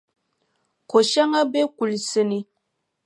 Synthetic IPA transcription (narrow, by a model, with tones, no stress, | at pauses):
ko˨ʃa˦ŋa˦be˦ku˨lsə˨ni˦